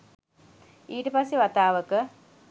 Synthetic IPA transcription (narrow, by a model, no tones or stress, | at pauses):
iːʈəpasːeʋat̪aːʋəkə